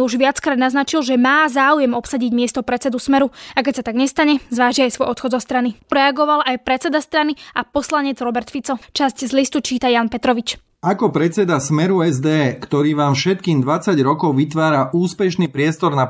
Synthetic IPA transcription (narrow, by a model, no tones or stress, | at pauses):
uʒʋɪat͡skɾaːd̪naznat͡ʃilʒɛmaːzaːujɛmɔpsaɟiɟmɪɛst̪ɔpɾɛt͡sɛd̪usmɛɾuakɛcsat̪aɡɲɛst̪aɲɛzʋaːʒiajsʋɔjɔt̪xɔd̪zɔst̪ɾaniɾɛaɡɔʋalʔajpɾɛt͡sɛd̪ast̪ɾaniapɔslaɲɛd͡zɾɔbɛɾt̪fit͡sɔt͡ʃasczlist̪ut͡ʃiːt̪ajaːnpɛt̪ɾɔʋit͡ʃ | akɔpɾɛt͡sɛd̪asmɛɾuɛzd̪ɛkt̪ɔɾiːʋaːmfʃɛt̪̚kiːmd̪ʋat͡saɟɾɔkɔʊʋit̪ʋaːɾaʔuːspɛʃniːpɾɪɛst̪ɔɾna